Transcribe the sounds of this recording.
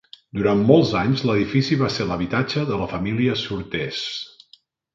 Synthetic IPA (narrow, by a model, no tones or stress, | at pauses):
d̪uɾanmːɔlˠzaɲzləðifisiβaseɾləβit̪ad͡ʒəðələfəmiliəsuɾt̪ɛs